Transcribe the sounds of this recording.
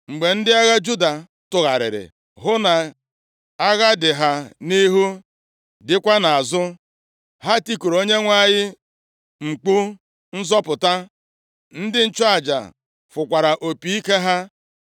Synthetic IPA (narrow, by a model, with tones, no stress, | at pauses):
ŋ͡m̩˨ɡ͡be˨n̩˦dɪ˦a˦ɣa˦d͡ʒu˦da˨ | tʊ˨ɣa˨ɾɪ̰˨ɾɪ̰˨ | ɦʊ˦na˨ | a˦ɣa˦dɪ˨ɦa˦ni˦ɦu˦ | dɪ˦kʷa˦na˨a˨zʊ˦ | ha˦ti˦ku˨ɾo˦ɲe˦ŋʷa˦˨ɲɪ˦ | ŋ͡m̩˨k͡pu˦ | n̩˦zɔ˦pʊ˨ta˦ | n̩˦dɪ˦n̩˦t͡ʃɔ˦a˨d͡ʒa̰˨ | fʊ˨kʷa˨ɾa˨ʔo˨pi˨i˦ke˦ɦa˦